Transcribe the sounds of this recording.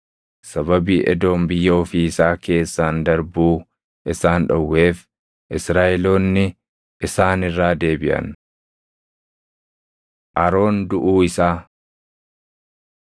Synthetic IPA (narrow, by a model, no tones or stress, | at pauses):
sɐbɐbiːʔɛ̰d̪o̞ːmbɪjːɐːfiːɪsaːke̞ːsːaːnd̪ɐɾbuː | ʔɪsaːnᶑɐwːe̞ːf | ʔɪsɾaːʔɛlo̞ːnːɪ | ʔɪsaːnɪrːaːd̪e̞ːbɪʔɐ̰n | ʔɐɾo̞ːnd̪ʊʔuːɪsaː